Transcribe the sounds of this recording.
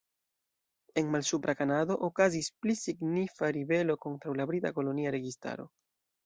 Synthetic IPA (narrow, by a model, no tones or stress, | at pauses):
e̞nmalsupɾʔakanado̞ʔokazisplisiɡnifaɾibe̞lo̞ko̞ntɾawlabɾitako̞lo̞niaɾe̞ɡista̰ɾo̞̰